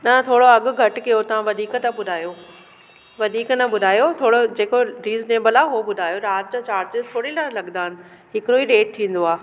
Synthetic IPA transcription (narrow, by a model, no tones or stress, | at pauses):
nɐt̪ʰoːɽoɐɠʊ̆ɡʱɐʈkijot̪ɐʋ̤ãʋɐd̪ʱiːkt̪ɐɓʊd̪ʱaːjo | ʋɐd̪ʱiːknɐɓʊd̪ʱaːjot̪ʰoːɽod͡ʑeːkoɾiːzneːbəlaːɦuoɓʊd̪ʱaːjoɾaːt̪d͡ʑãːt͡ɕaːɾd͡ʑɪsʰoːɽilaːlɐɠnaːɦɪnɪ̆ | ɦɪkɪɾoiɾeːʈ̚t̪ʰĩːn̆d̪oaː